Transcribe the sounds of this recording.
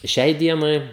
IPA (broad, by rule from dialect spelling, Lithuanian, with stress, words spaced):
ˈʃʲɛɪ ˈdʲiɛnɐɪ